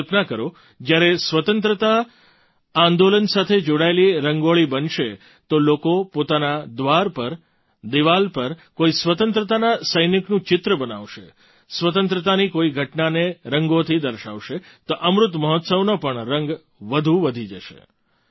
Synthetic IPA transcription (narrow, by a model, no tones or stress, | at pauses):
pnakəɾo | d͡ʒjaɾesʋət̪ənt̪ɾət̪a | ãnd̪olənsat̪ʰed͡ʒoɽaeliɾəŋɡoɭibənʃe | t̪olokopot̪anad̪ʋaɾpəɾ | d̪iʋalpəɾkoisʋət̪ənt̪ɾət̪anasəjniknũt͡ʃɪt̪ɾəbənaʋʃe | sʋət̪ənt̪ɾət̪anikoiɡʱəʈnaneɾəŋɡot̪ʰid̪əɾʃa̰ʋʃe | t̪oʔəmɾʊt̪məɦɔt̪səʋnopəɳɾəŋɡ | ʋəd̪ʱuʋəd̪ʱid͡ʒəʃḛ